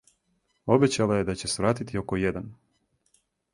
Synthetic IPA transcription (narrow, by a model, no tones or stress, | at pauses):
o̞bet͡ɕalaje̞d̪at͡ɕe̞sʋɾaːt̪it̪io̞kojed̪an